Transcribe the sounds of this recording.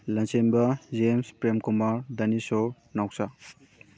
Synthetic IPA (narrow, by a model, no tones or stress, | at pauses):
lɐnt͡ʃembɐd͡ʒemspɾemkumaɾdɐniso | nawsa